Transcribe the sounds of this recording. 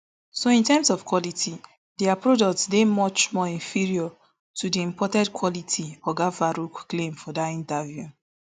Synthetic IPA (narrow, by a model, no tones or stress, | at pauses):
soĩntɛmsɔvkwɔlitʰi | dɛapɹodɔk̚tsdemɔt͡ʃmɔĩnfiɹiɔ | tudiĩmpɔtɛdkʰwɔlitʰiɔɡafaɾukklẽmfɔdatĩntavju